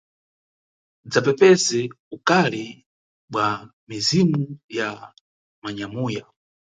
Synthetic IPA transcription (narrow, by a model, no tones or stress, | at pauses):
d͡zapɛpɛsɛ | ukalɛ | ɓwa | mizimuja | maɲamuːja